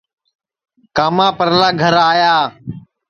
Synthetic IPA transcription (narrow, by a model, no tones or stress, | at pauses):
kaːmãːpəɾlaːɡʱəɾaːjaː